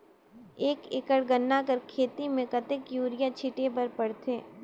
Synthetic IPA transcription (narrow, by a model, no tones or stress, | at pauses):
eːkɪkəɽɡənːakəɾkʰeːt̪imẽkɐt̪ekjuːɾɪjat͡ʃʰiʈepɐɾpɐɽt̪ʰeː